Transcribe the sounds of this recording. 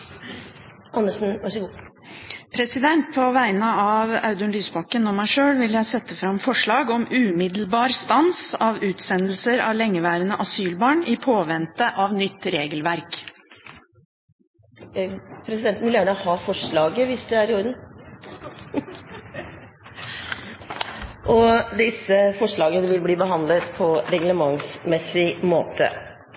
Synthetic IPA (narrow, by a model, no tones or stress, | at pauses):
ʔɑnːəʂn̩ʋɑʂəɡu | pʰɾɛsɪd̪ɛnt̪̚pʰɔʋæɪnəɑʋɑ̰ʉd̪ʉnlyːsbɑkːənɔmæɪʂøːlʋɪljæɪsɛt̪ːəfɾɑmfɔʂɭɑːɡɔmʉːmɪd̪lbɑːɾst̪ɑnsɑʋʉːt̪sɛnl̩səɾɑ̰ʋlɛŋːəʋæːɾənəʔɑsyːlbɑːɳɪpʰoːʋɛnt̪əʔɑʋnʏt̪ːɾeːɡəlʋæɾk | pʰɾɛsɪd̪ɛnt̪nmʋɪljæːɳəhɑːfɔʂɭɑːɡəʋɪsd̪ɛæɾɪɔɾən | ʔɔd̪ɪsəfɔʂɭɑːɡənəʋɪlbliːbəɦɑnd̪lət̪pʰɔɾɛɡləmɑŋsmɛsɪmoːt̪ʰə̰